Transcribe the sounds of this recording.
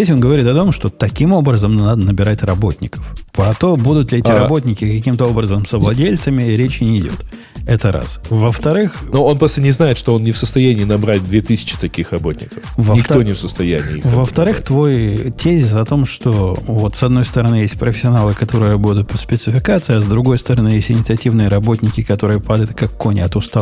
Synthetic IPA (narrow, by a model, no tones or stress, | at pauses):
zʲdʲesʲo̞nɡəvɐɾit̪ɐt̪o̞mʂt̪o̞t̪ɐkʲimo̞bɾəzəmnnad̪ənəbʲɪɾatʲrɐbo̞tʲnʲɪkə̥fpɾɐt̪o̞bud̪ʊt̪lʲɪɛt̪ʲɪɾɐbo̞t̪̬ʲnʲɪkʲɪkɐkʲimt̪əo̞bɾəzəmsəvlˠɐdʲelʲt̪səmʲɪɾʲet͡ɕɪnʲɪɪdʲo̞̰t̪ | ɛt̪əɾʔa̰svəft̪ɐɾɨxnuo̞npɾost̪ənʲɪznajɪt̪ʂt̪oonnʲɪfsəst̪ɐjænʲiːnɐbɾatʲd̪vʲet̪ɨsʲɪ̥t͡ɕɪ̥t̪ɐkʲixrɐbo̞tʲnʲɪ̰kəfvənʲɪk̪onʲɪfsəst̪ɐjænʲɪ̰ːvəft̪ɐɾɨxt̪vo̞jtʲezʲɪsɐt̪o̞mʂt̪o̞vo̞t̪sɐd̪no̞jst̪əɾɐnɨjesʲt̚ʲpɾʔəfʲɪ̥sʲɐnalˠɨkɐt̪o̞ɾɨjəɾɐbo̞t̪ʊt̪pə̥spʲɪt̪sɨfʲɪkat̪sɨɪɐzd̪ɾʊɡo̞jst̪əɾɐnɨjesʲtʲɪnʲɪt̪sɨɐtʲivnɨjəɾɐbo̞tʲnʲɪkʲɪkɐt̪o̞ɾɨjəpad̪əjɪt̪̚kakːonʲɪɐt̪ʊst̪a